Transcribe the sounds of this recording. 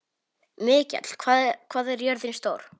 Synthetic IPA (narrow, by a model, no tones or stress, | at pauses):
mɪːcɛ̰t̪l̥kʰvaːkʰvaːðɛɾjœɾðɪnst̪oːwɾ̥